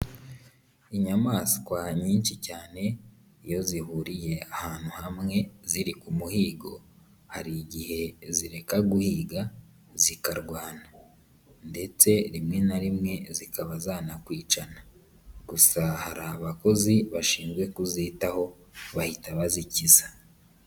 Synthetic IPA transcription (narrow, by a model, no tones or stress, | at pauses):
iɲamaːsi̥kwaɲiːnt͡ʃicaːne̞ | ijo̞zihuɾije̞ahaːn̥huhamŋe̞ziɾikumuhiːɡo̞̰ | haɾiɟihe̞ziɾe̞kaɡuhiːɡa | zikaɾɡwaːna | nde̞t͡se̞ɾimŋe̞naɾimŋe̞zikaβazaːnakwiːt͡ʃana | ɡ̥usahaɾaβako̞ziβaʃiːnzwe̞kuziːtaho̞ | βahitaβazicizḁ